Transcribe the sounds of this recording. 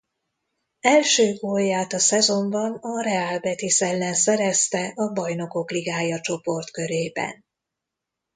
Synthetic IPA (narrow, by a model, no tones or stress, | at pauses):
ɛlʃøːɡoːjaːt̪ɒsɛzo̞mbɒnɒrɛaːlbɛt̪isɛlːɛnsɛɾɛst̪ɛʔɒbɒjno̞ko̞kliɡaːjɒt͡ʃo̞po̞rt̪kø̞ɾeːbɛ̰n